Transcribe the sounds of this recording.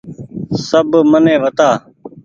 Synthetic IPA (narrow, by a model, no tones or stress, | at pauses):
səbmənẽːʋət̪aː